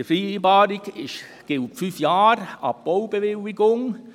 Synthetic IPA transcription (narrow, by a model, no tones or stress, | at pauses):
əfɾiːbɑːɾiɡɪʃ | ɡ̥ɪltfyfjaːɾɑ̰p̚b̥oʊb̥eʋɪliɡʊŋ